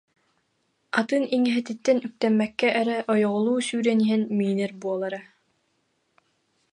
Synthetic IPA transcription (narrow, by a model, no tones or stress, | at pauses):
at̪ɯniŋiɦɛt̪it̪ːɛnyk̚t̪ɛmːɛkːɛʔːɾɛʔɔjɔʁɔlˠuːsyːɾɛniɦɛnmiːnɛɾbuɔlˠaɾa